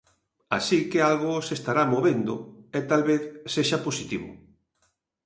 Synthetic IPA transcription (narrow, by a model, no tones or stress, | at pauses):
a̰sikealɣʊsest̪aɾamoβend̪ʊɛt̪alβeθseʃaposit̪iβʊ̰